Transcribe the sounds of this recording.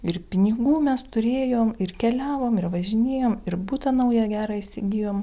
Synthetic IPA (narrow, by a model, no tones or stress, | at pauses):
ɪɾpʲɪnʲɪɡuːmʲɛst̪ʊɾʲeːjoːmɪrkʲɛlʲæːʋoːmɪɾʋɐʒʲɪnʲeːjoːmɪɾbuːt̪ɐnɐʊjɛɡʲæːɾɑɪsʲɪɡʲijoːm